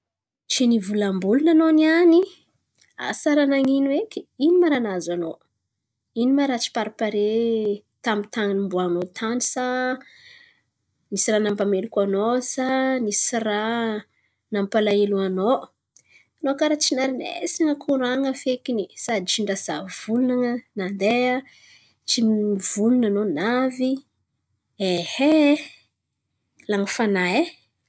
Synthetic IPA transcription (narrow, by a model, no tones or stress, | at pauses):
t͡ʃinivulambulunanoniani | a̰saɾanaŋinuekʲi̥inimaɾanazano | inimaɾat͡ʃi̥paɾipaɾe | t̪amit̪aŋinimbuanot̪ʰanisa | nisiɾanampamelikʲanosanisira | nampalaeluano | anokaɾat͡ʃinaɾinḛsaŋəkʰuɾaŋəfekinisad̪it͡ʃiɳɖ͡ʐaz̥av̥ulunaŋənand̪ea | t͡ʃimivulunanonavi | ehe | laŋəfanae